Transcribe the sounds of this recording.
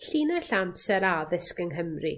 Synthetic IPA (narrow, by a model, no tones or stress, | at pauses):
ɬinaɬampsɛɾaðɪskəŋɦəmri